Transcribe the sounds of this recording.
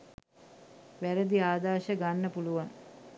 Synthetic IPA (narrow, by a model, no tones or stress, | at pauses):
ʋæɾəd̪iaːd̪aːʃəɡanːəpuluʋaŋ